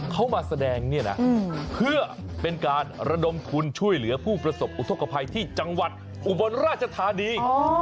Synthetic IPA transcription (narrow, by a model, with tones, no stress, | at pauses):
kʰa˦˥wmaː˧sa˧dɛː˧ŋni˥˩ɐna̰˦˥pʰɯ˥˩ɐ | pe˧nkaː˧nɾa˧do˧mt̪ʰu˧nt͡ɕʰu˥˩əjlɯ˩˦ɐpʰuː˥˩pɾa˧so˨˩p̚ʔu˨˦t̪ʰo˦˥˩ka˧pʰa˧jt̪ʰiː˥˩t͡ɕa˧ŋwa˨˩t̪̚ | ʔu˨˩bo˧nɾaː˥˩t̪̚t͡ɕʰa˧t̪ʰaː˨˧˦niː˧˥